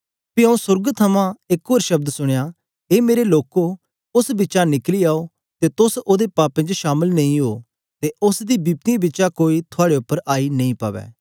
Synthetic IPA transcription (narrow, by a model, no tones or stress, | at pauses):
piɐ̃ũsʊɾɡt̪ʰɐmãɪkɦoːɾʃɐb̚d̪sʊɽ̃ejaː | eːmeːɾeloːko | ʊsbɪt͡ʃanɪkliaːo | t̪et̪ʊsoːd̪epaːpẽːd͡ʒoʃaːməlnɐ̃ĩɦoː | t̪eʊsd̪ibiːp̚t̪ibɪːt͡ʃʃakoːit̪ʰʊaːɽeʊpːəɾʔaːinɐ̃ĩpaʋɛ̰ː